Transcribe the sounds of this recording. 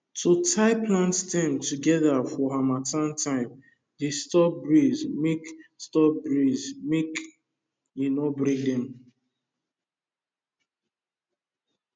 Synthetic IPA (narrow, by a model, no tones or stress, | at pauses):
tʰotʰaɪplãntstɛ̃mtuɡɛðafɔɦamatãntʰãɪ̃m | destɔp̚bɹizmekstɔp̚bɹizmek | inɔbɹĩdɛ̃m